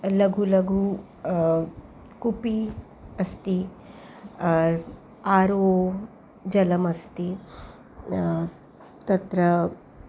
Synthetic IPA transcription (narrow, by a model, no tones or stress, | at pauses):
lɐɡʱulɐɡʱu | kupi | ɐst̪i | aːɾoː | d͡ʒɐlɐmɐst̪i | t̪ɐt̪ɾɐ